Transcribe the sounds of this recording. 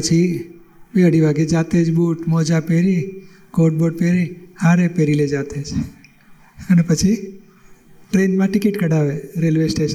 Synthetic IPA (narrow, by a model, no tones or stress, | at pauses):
pət͡ʃʰi | ʋeəɽiʋaːɡed͡ʒaːt̪eːd͡ʒbuːʈmɔːd͡ʒapeːɾi | koːʈ̚boːɖ̚peːɾihaːɾepeːɾiled͡ʒaːt̪eːd͡ʒʰ | ənepət͡ʃʰi | ʈɾeːnmãʈɪkɪʈkəɽaːʋeɾeːlʋesʈeːʃən